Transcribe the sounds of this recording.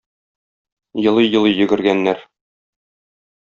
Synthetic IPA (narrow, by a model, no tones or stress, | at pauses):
jɤ̆lˠɤjɤ̆lˠɤjjɵ̆ɡɘ̆ɾɡænːæɾ